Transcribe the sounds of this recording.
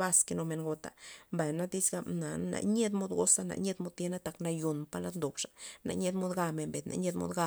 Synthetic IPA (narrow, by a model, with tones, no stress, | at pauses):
ba˦˧ske˧no˧me˧ŋɡo˧t̪a̰˨mba˨jna˦d̪i˦sɡa˧na˨na̰˨ɲe˦d̪mo˧˦d̪ɡo̰˦sa˦na̰˨ʔɲe˦d̪mo˧˦t̪je˧na˦t̪a˧kna˧ju˨npa˧la˧d̪nd̪o˨bʂḁ˨na̰˨ɲe˦d̪mo˦d̪ɡa˧me˧˨mbe˨t̪na̰˨ɲe˦d̪mo̰˧d̪ɡa˧